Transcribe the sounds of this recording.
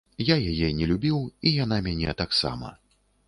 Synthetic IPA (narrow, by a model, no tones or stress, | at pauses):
jajajɛnʲɛlʲubʲiwijan̪amʲanʲɛ̰t̪aksa̰mɐ̰